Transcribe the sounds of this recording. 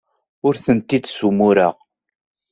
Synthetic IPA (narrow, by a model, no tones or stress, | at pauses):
ʊɾθənt̪id̪sumʊɾə̰ʁ